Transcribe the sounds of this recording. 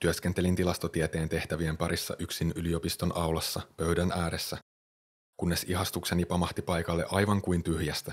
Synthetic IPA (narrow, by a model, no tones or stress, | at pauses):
t̪yøsk̟ent̪e̞lint̪ilɑst̪ot̪iet̪e̞ːnt̪e̞ht̪æʋiempɑɾʔisːɑ̰ʔyksinylio̞pist̪o̞nʔɑwlɑsːɑpø̞ɥdænʔæːɾesːæ | kunːe̞siɦɑst̪uksenipɑmɑht̪ipɑjkɑlːe̞̰ʔɑjʋɑŋkujnt̪yhjæst̪æ